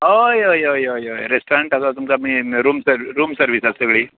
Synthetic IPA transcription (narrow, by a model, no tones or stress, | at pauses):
ojojojojojɾesʈoɾaɳʈasat̪umt͡samiɾuːmsəɾɾuːmsəɾʋisasəɡɭiː